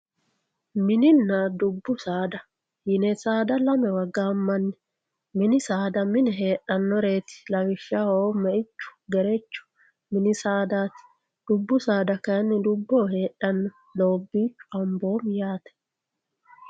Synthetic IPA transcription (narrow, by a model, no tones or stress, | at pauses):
mɪnɪnːad̪ʊbːʊsaːd̪ɐ | jɪnɛsaːd̪ɐlɐmɛwɐɡːaːmːɐnːɛ̥ | mɪnɪsaːd̪ɐmɪnɛɦeːʔɐnːɔɾe̞ːt̪ɪ̥lɐwɪʃːahoːmɛɪt͡ʃːʊ̥ɡɛɾɛt͡ʃːʊ̥ | mɪnɪsaːd̪aːt̪ɪ̥ | d̪̥ʊbːʊsaːd̪ɐkɐnːɪd̪ʊbːoːhe̞ːʔɐnːɔ | loːbːiːt͡ʃːʊ̥ʔɐmbo̞ːmjaːt̪ɛ̥